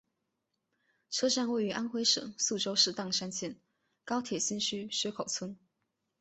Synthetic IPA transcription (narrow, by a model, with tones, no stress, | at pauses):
ʈ͡ʂʰɤ˥ʂa˥˧nwe˥˩ɪy˧˥ʔa˥nxwe˥ɪʂɤ̰˨˦ŋsu˥˩ʈ͡ʂo˥ʊʂɻ̩˥˧t̪ɑ˥˩ŋʂa˥nt͡ɕʰjɛ˥˩n | kɑ˥ʊt̪ʰjɛ˨˩ɕi˥nɕʰy˥ɕɥɛ˥kʰo˨˩ʊt͡sʰwə˥n